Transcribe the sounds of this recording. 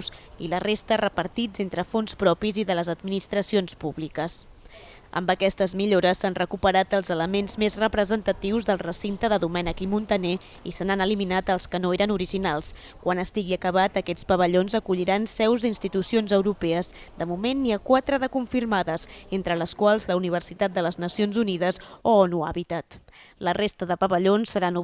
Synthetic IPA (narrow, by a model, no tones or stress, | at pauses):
silərest̪ərəpəɾt̪id͡zent̪ɾəfonspɾɔpiziðələzəd̪̚minist̪ɾəsionspuβlikəs | ə̰mbəkɛst̪əzmiʎoɾəsːanrəkupəɾat̪əlˠzələmenzmezrəpɾəzənt̪ət̪iwzðəlˠrəsint̪əðəðumɛnəkimunt̪əne | isənanəliminat̪əlˠskənoeɾənuɾiʒinalˠs | kwanəst̪iɣiəkəβat̪əkɛspəβəʎonzəkuʎiɾansɛwzd̪inst̪it̪usionzəwɾupɛəzd̪əmumenːiakwat̪ɾəðəkuɱfiɾmaðəzent̪ɾələskwalˠzləuniβ̞ərsit̪at̪̚d̪ələznəsionzuniðəzoɔnua̰βit̪at̪ | lərest̪əðəpəβəʎonsːəɾanu